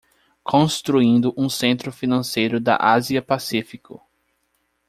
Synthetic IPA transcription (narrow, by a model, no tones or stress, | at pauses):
kʰõst̪ɾuĩnd̪ʊʔũsẽnt̪ɾʊfinɐ̃sejɾʊd̪ɐ̰ʔaziɐpasifikʰʊ̰